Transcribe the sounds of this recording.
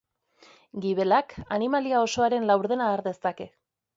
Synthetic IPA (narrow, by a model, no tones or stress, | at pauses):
ɡiβe̞laka̰nimaliao̞so̞aɾe̞nlawɾðe̞naːɾðe̞st̪ake̞